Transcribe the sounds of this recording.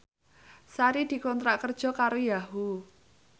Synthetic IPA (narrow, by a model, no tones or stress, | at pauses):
saɾid̪̥i̤kɔnt̪ɾaʔkərd̥ʒ̥ɔ̤kaɾojaɦu